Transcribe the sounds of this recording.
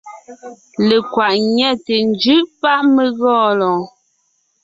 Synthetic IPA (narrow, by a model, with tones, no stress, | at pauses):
le˨kwa˨ʔɲɛ˦˨te˨nd͡ʒʉ˦ʔpa˦ʔme˨ɣɔː˦˨lɔ˨